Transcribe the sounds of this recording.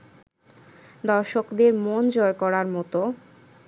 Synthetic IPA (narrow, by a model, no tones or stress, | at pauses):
d̪ɔɾʃokd̪eɾmond͡ʑɔekɔɾaɾmɔt̪o